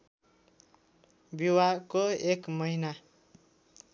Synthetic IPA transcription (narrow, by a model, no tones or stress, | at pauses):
biwakoekmʌina